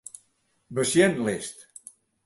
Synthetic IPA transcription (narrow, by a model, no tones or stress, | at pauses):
bəsjɛnlest̪